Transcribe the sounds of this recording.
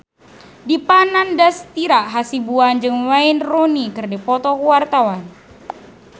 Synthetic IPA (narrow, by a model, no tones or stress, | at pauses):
dipanandast̪iɾaʔɦasibuand͡ʒɨŋwainronikɨrdipɔt̪ɔkuwart̪awan